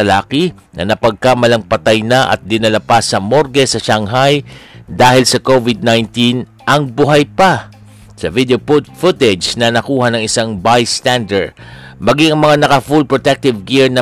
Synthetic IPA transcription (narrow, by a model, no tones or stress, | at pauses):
ɐlaːki | nʔɐ̰nɐpɐɡ̚kamɐlɐŋpɐt̪ajnɐʔɐ̰t̪̚d̪ɪnɐlɐpasɐmoɾɡɛsɐʃaŋɦajd̪aːhɪlsɐkovɪd̪̚najnt̪in | ʔɐŋbʊɦajpa | sɐvid̪eopʊfʊt̪ɛd͡ʒnɐnɐkuːhɐnɐŋɪsaŋbajst̪and̪ɛɹd̪mɐɡiŋɐŋmɐŋanɐkɐfulpɹot̪ɛk̚t̪ɪvɡiɹnɐ